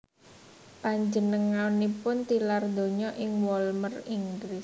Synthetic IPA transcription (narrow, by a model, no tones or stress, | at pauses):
paɲd͡ʒənəŋanipʊnt̪ilard̪o̤ɲɔʔɪŋwɔlməriŋɡlɪs